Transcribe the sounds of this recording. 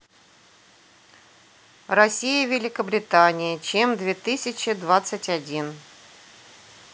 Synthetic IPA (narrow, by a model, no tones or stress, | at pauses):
rɐsʲijəvʲɪlʲɪkəbɾʲɪt̪anʲɪjət͡ɕemd̪vʲet̪ɨsʲɪt͡ɕɪd̪vat̪sətʲɐdʲin